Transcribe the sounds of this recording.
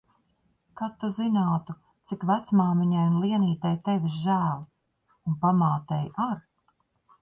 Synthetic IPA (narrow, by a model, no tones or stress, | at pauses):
kaːt̪ːuzinaːt̪u | t̪sikvæt̪smaːmiɲajunlˠiɛniːt̪ɛjt̪ɛvʲisʒæːlˠ | unpamaːt̪ɛjaɾ